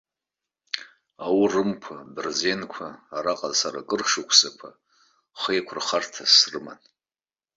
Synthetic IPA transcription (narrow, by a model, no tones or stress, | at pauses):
awrɨmkʷʰabɨrze̞nkʷʰaːɾaqʼazsaɾakʼɨrʂɨkʷʰsakʷʰa | χejkʷʰʊrχartʰasrɨma̰n